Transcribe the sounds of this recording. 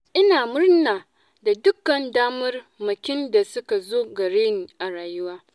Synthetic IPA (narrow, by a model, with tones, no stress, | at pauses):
ʔɪ˦naː˨mʊ˦rnaː˨ | da˨dʊ˦kːɐ˨ndaː˦mɐ˦rmɐ˨kʲɪ˦nda˨sʊ˦ka˨zoː˦ɡɐ˨ɽeː˦niː˨ʔa˨ɾaː˨jʊ˦waː˦